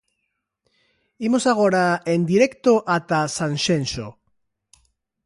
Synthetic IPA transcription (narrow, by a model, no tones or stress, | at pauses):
imosaɣ̞oɾaend̪iɾekt̪oʔat̪asanʃenʃo̰